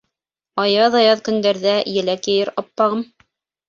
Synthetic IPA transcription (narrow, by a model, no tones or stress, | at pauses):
ɑjɑðɑjɑðkɵ̆nd̪æɾðæjɘ̆lækjɘ̆jɘɾɑpːɑʁɤm